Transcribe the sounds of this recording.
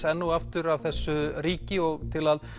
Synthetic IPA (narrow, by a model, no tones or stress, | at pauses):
ɛnːuaft̪ʏɾavθɛsːʏɾiːcɪɔɣt̪ʰɪlað